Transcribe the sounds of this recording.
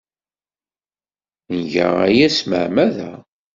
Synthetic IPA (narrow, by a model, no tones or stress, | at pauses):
nʝə̰ʁæjæsmə̰ʕmæðæ